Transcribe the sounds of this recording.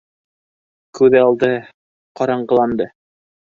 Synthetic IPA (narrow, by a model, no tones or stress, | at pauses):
kʉðɘɑlˠd̪ɤ | qɑɾɑɴɢɤ̆lˠɑnd̪ɤ